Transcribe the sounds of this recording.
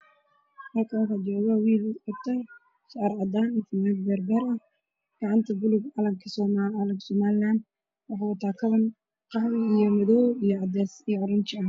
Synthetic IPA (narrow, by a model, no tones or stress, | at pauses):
hɐlkʰɐnwħad͡ʒɔːɣɐwiːlʊqɑb̚t̪ʰɐ | ʃɑɾʕɑd̪aːnɪt̪ʰɪmɛːd̪bɛːrbɛːɾɐh | ɡ̥ɑʕɑnt̪ʰɐbʊlʊɡʕɑlɐŋkʰɐsɔːmalɐɡsɔːmaːlɪlaːnd̪ | wɑħɑwɐt̪ʰaːkʰɐβɐn | qɑhwɪijɔmɐðɔwijɔʕɑd̪ɛːsijʕɔɾʊnt͡ʃɪɐ